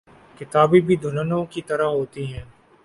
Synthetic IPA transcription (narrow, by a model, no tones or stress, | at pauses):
kɪt̪aːbibʱid̪ʱʊnənõkit̪ɐɾaɦoːt̪iɦɛ̃ː